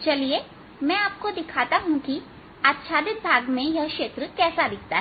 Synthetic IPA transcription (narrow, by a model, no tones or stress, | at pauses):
t͡ʃɐlie | mɛ̃ːaːp̚kod̪ɪkʰaːt̪aɦũki | aːt̪ʃʰaːd̪ɪt̪̚bʱaːɡmẽjɐɦkʃeːt̪ɾəkɛːsad̪ɪk̚ʰt̪aɦɛ